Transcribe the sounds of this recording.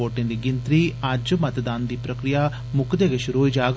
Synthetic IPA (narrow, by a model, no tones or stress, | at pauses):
oːʈːend̪iɡint̪ɾiaːd͡ʒumɐt̪ɐd̪aːnd̪ipɾɐkɾijɐ | mukʰɐd̪eɡeʃuɾud͡ʒaːɡ